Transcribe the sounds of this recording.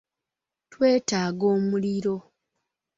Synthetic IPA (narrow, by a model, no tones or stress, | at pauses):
twe̞ːtaːɡo̞ːmuliɾo̞